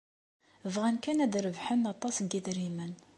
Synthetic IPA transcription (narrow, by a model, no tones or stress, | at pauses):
vʁænkænæd̪ɾəvħənɑt̪ˤːɑsnɡiðɾimən